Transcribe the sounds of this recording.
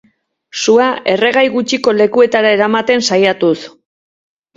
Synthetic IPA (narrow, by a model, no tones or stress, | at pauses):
suaʔe̞re̞ɣ̞ajɣut͡ʃiko̞le̞kue̞t̪aɾae̞ɾamat̪e̞nsajat̪us